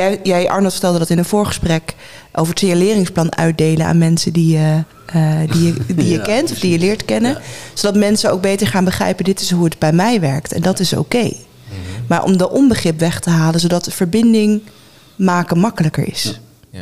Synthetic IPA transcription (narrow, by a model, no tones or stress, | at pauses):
jjɛjʔɑ̰ɹnɑlˠfəɹtɛlˠdədɑtɪnənv̥ʊːɹχə̥sprɛkʔowvəɹtɪəlɪːrɪŋsplɑnœ̰ɥd̚dejləa̰ːnmɛnsədijə | dijədijəkɛntɔfdijəlɪːɹtkɛnəz̥odɑtmɛnsəno̰wɡ̚bejtəɹχaːnbəχrɛ̰jpədɪtɪsɦuədbɛjmɛjʋɛɹktɛ̰ndɑtɪso̰wkej | maːɹʔɔ̰mdəʔɔmbəχrɪpʋɛχtəɦaːlənzowdɑtəv̥əɹbɪndɪŋ | maːkəmɑkələkə̰ɹɪ̰s